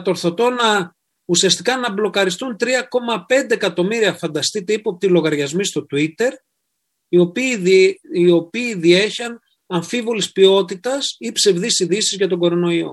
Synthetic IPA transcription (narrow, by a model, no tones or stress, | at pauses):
ɐt̪o̞ɾθo̞t̪o̞nɐ | usiɐst̪ikɐnɐblo̞kɐɾist̪unt̪ɾiɐko̞mɐpe̞nd̪e̞ːkɐt̪o̞miɾiɐfɐnd̪ɐst̪it̪ipuɐp̚t̪ilo̞ɣɐɾʝɐzmist̪o̞t̪uit̪e̞ɾ | iop | io̞piːðie̞çɐn | ɐɱfivo̞lispio̞t̪it̪ɐsipse̞vðisiðisizʝɐt̪̬o̞ɡo̞ɾo̞no̞io̰